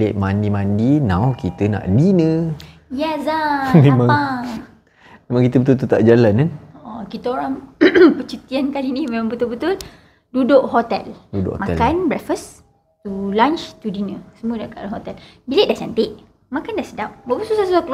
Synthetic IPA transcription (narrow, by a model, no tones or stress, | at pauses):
leʔ̚mandimandinãwkit̪əna̰ʔdinə | jɛsamẽmãŋa | memãŋkit̪əbət̪ult̪ut̪a̰ʔd͡ʒalananoʔɔkit̪əoɾaŋpət͡ʃit̪iankalinihmẽmãŋbət̪ʊlbət̪ʊl | dudoʔɦot̪ɛ̰ldudʊ̰ʔhmaɛkanbɾɛfəs | t̪ulãnt͡ʃt̪udinəsəmuədaʔkalaɦot̪ɛl | bileʔ̚daʔsant̪eʔ | makandaʔsədap̚bəbəsusasusakl